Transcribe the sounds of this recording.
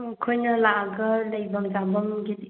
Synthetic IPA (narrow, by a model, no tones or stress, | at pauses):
ɐkʰojnɐlaɡɐlɐjbɐmd͡ʒabɐmɡidi